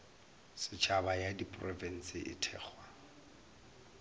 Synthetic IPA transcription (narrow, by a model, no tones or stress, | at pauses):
sɪt͡ʃʰabajadipʼrɔvɛn̩sɪʔɪ̰tʰɛːχwa